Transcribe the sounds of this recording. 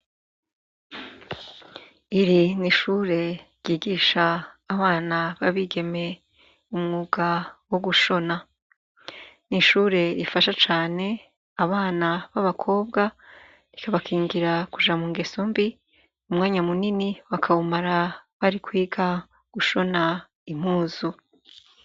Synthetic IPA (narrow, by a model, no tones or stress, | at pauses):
iɾiniʃuːɾe̞ɾjiːɡiːʃaːβaːnaβaβiɡe̞me̞ | umŋuːɡawoɡuʃo̞na | niʃuːɾe̞ɾifaʃat͡ʃaːne̞ | aβaːnaβaβakʰo̞ːbɡa | ɾikaβakʰiːŋɡiɾakuʒamuŋɡe̞sombi | umŋaːɲamuniniwakʰaumaɾaβaɾikwiːɡa | ɡ̥uʃo̞na | im̥huːzu